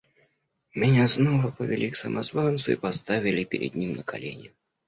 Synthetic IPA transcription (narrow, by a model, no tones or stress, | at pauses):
mʲɛnʲaznɔvɐpɐvʲɛlʲiksɐmʔazvant̪sʊipast̪avʲilʲipʲɪɾʲɛ̰d̪̚ʲnʲimnəkalʲenʲʊ